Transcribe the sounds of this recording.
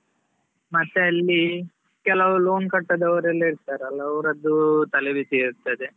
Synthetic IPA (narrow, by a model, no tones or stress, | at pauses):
mɐt̪ːeɐlːi | kɛlɐʋuloːnkɐʈːɐd̪ɐʋɐɾɐlːiɾt̪aːɾɐlːɐɐʋɾɐd̪ːut̪ɐlebit̪iːɾut̪ːɐd̪e